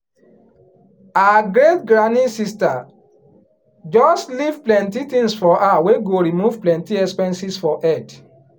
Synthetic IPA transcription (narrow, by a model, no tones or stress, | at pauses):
aaɡɹetɡɹanĩsista | d͡ʒɔstlivplɛ̃ntit̪ĩŋsfɔʔaweɡoɹimuv̥plɛ̃ntiɛspɛ̃nsisfɔʔɛd